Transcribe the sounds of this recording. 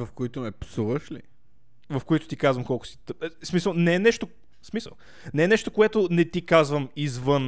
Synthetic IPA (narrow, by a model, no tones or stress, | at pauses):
vɐfkoit̪ʊmɛpsuvəʃlḭ | vɐfkoit̪ʊ̥t̪ikazvɐmkɔlˠkʊsi̥t̪əp̚smisəlˠnɛɛnɛʃt̪o | smisə̰lˠ | nɛɛnɛʃt̪okoɛt̪onɛt̪ikazvəmizvɤn